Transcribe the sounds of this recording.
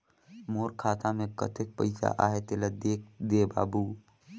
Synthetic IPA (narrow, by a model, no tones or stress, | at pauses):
moːɾkʰaːt̪amẽkə̰t̪ɪk̚pəɪsa̰ʔa̰ːɦet̪eləd̪eːkd̪eba̰ːbu